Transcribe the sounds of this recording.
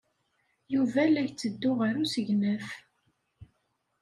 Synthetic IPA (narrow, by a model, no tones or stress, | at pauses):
juvælæçt͡sːəd̪ːʊʁəɾusəʝnəf